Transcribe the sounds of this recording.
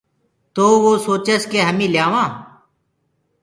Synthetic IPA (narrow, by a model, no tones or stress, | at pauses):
t̪oːʋoːsoːt͡ʃəskeːɦəmĩːlɪjaːʋãː